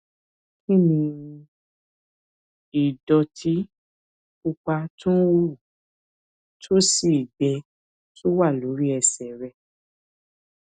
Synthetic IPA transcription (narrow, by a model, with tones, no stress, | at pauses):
kĩ˦˨nĩ˧ | i˨dɔ˧tʰi˨˦ | ku˧k͡pa˧tũ˦wo˦˨ | tʰo˦si˦˨dɛ˧ | tʰo˦wa˦˨lo˨˦ɾi˦ɛ˧sɛ˨ɾɛ˧